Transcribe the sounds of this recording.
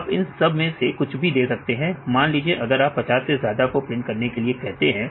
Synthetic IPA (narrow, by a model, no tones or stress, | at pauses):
pɪnsɐbʱmẽsekʊt͡ʃʰbʱid̪eːsɐk̚t̪eɦɛ̃maːnliːd͡ʒieʔɐɡəɾaːpːɐt͡ʃaːsːezjaːd̪akopɾẽːnkɐɾnekeliekɛɦt̪eɦɛ̃ː